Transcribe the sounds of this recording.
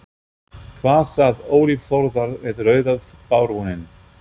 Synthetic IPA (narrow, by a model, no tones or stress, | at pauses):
kʰvaːsaðoːwlivfɔɾðaɾvɪðrœːɥðaðpaːwɾvunɪn